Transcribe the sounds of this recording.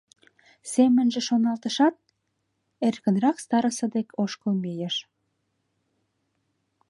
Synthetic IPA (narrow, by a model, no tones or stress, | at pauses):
semə̆nʒĕʃonɑlˠt̪əʃɑt̪̚ | erkə̆nrɑkst̪ɑɾəsɤd̪ekoʃkomejəʃ